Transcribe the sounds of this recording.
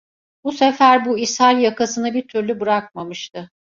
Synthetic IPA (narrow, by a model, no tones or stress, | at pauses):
busefæɾbuishalʲjakasɯnɯbiɾt̪ʰyɾlʲybɯɾak̚mamɯʃt̪ʰɯ